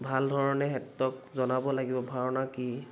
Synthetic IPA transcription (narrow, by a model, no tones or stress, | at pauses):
bʱaldʱɔɹɔnɛɦɛtːɔk̚zɔnabɔlaɡibɔbʱaɹɔnaki